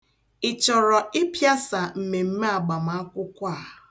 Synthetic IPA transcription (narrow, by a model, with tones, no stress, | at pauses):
ɪ˨t͡ʃɔ˨ɾɔ˨ɪ˦pja˦sa˨m̩˨me˨m̩˦me˦a˨ɡ͡ba˨m̩˨a˦kʷʊ˦kʷa˦˨